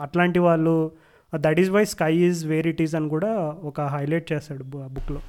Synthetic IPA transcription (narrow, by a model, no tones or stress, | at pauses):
ɐʈlaːɳʈiʋaːɭːu | d̪ɐʈizʋaːjskɐjizʋeːɾiʈizɐnkuːɽaːɔkɐɦɐjleːʈ̚t͡ʃeːsaːɽubukːloː